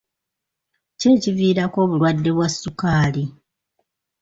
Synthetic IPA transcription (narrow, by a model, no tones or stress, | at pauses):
ce̞ːciviːɾako̞ːβulwadːe̞βwasːukaːli